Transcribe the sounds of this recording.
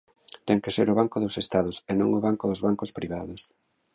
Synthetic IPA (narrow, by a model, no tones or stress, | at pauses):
t̪ɛŋkeseɾʊβ̞aŋkʊðosest̪aðʊsenõ̰ŋʊβaŋkʊðozβaŋkʊspɾiβaðʊs